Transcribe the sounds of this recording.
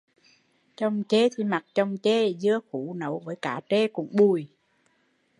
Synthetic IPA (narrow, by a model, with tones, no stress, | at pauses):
t͡ɕɔ˧wŋ͡mt͡ɕe˧t̪ʰi˨˩ma˨˩t̚t͡ɕɔ˧wŋ͡mt͡ɕe˧zɨ˧əxu˧˦nə˨˦wvəː˨˦jkaː˧˩t͡ɕe˧kʊ̰˧˥ŋ͡mɓu˨˩j